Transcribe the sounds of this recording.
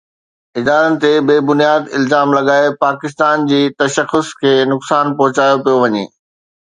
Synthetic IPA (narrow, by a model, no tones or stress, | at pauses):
ɪd̪aːɾənɪ̆t̪ebeːbʊnijaːd̪ɪ̰lzaːmlɐɠaːepaːkɪst̪aːnd͡ʑiːt̪ɐʃəxʊskʰeːnʊksaːnpɔɦʊt͡ɕaːjopijoʋɐɲḛː